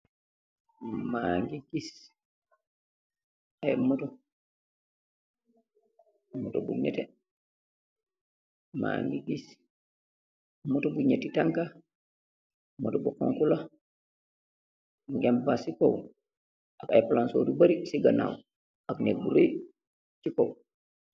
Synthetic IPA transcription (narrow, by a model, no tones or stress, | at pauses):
maŋɡiɡis | ajmuto | mːutobṵɲɛ̰te | ma̰ːŋɡiɡis | mutobuɲetitaŋka | mutobuko̰ŋkula | buɡambasikow | akajplansoːdubaɾisiɡana̰w | aknek̚buɾoj | t͡ʃikow